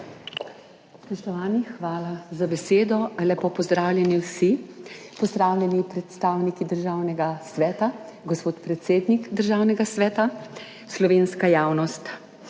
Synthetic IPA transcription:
spɔʃt̪ɔʋaːnixʋaːlazabɛseːd̪ɔalɛpɔpɔzd̪ɾaːwlʲjɛniwsipɔzd̪ɾaːwlʲjɛnipɾɛt̪st̪aːwnikid̪əɾʒaːwnɛɡasʋɛːt̪a | ɡɔspoːt̪pɾɛt̪seːd̪nikd̪əɾʒaːwnɛɡasʋɛːt̪a | slɔʋeːnskajaːwnɔst̪

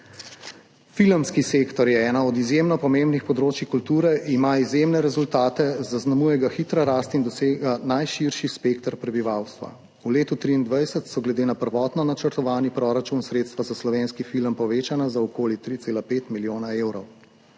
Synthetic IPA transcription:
filmskisekt̪ɔɾjɛɛːnaɔd̪izjemnɔpɔmembnixpɔd̪ɾoːt͡ʃikult̪uːɾɛimaizjemnɛɾɛzult̪aːt̪ɛzaznamujɛɡaxit̪ɾaɾaːst̪ind̪ɔseːɡanajʃiɾʃispekt̪ɾpɾɛbiʋawst̪ʋa̰ | uleːt̪ut̪ɾiːnd̪ʋajsət̪sɔɡlɛd̪eːnapəɾʋɔt̪nɔnat͡ʃəɾt̪ɔʋaːnipɾɔɾat͡ʃunsɾeːt̪st̪ʋazaslɔʋeːnskifiləmpɔʋeːt͡ʃanazaɔkoːlit̪ɾit̪seːlapeːt̪miljoːnaewɾɔw

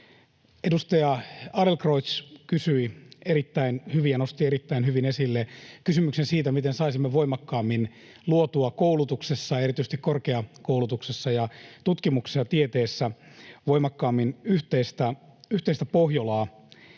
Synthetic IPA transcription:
edust̪ɑjɑɑdelkrot̪skysyieɾit̪ːæinhyʋijɑnost̪ieɾit̪ːæinhyʋinesilːekysymyksensiːt̪æmit̪ensɑisimːeʋoimɑkːɑːmːin | luot̪uɑkoulut̪uksesːɑeɾit̪yst̪ikorkeɑkoulut̪uksesːɑjɑt̪ut̪kimuksisɑt̪iet̪eːsːæʋoimɑkːɑːmːinyht̪eist̪æyht̪eist̪æpohjolɑː

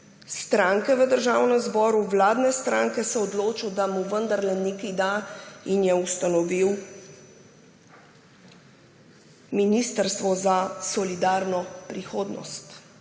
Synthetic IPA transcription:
st̪ɾaŋkɛʋəd̪əɾʒaːwnɛmzbɔːɾuwlaːd̪nɛst̪ɾãŋkɛsɛɔd̪loːt͡ʃɔwd̪amuʋənd̪əɾlɛnikid̪ainjɛust̪anɔʋiw | minist̪əɾst̪ʋɔzasɔlid̪aɾnɔpɾixoːd̪nɔ̰st̪

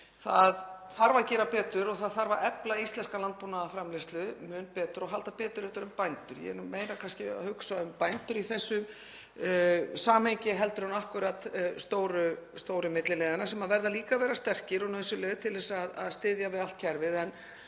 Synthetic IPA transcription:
θa̰ðθaɾvacɛːɾapɛːt̪ʏɾɔɣθaðθaɾvaʔɛplaist̪lɛnskalant̪̚puːnaðafɾamlɪst̪lʏmʏnpɛːt̪ʏɾɔɦalt̪apɛːt̪ʏɾɛht̪ʏɾʏmpajnt̪ʏɾjɛ̰ɛ̰ɾnʏmmeːjɾakʰanscɪhʏksaʏmpajnt̪ʏɾiθɛsːʏ | saːmhejɲcɪɦɛl̪t̪ʏɾunahkʏɾat̪st̪oːwɾʏst̪oːwɾʏmɪt̪lɪlɛːðɪanasɛmaðvɛɾðaliːkavɛːɾast̪ɛr̥cɪɾunaðɛsːʏleːɣt̪ʰɪlðɛsaðaðst̪ɪːðjavɪðal̥t̪̚cʰɛɾvɪðɛn

